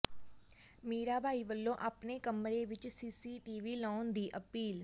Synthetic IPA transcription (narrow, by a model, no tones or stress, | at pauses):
meːɾaːbʱaːiːʋəlːõːʔaːpneːkəmɾeːʋɪt͡ʃsiːsiːʈiːʋiːlãːʊnd̪iːʔəpiːl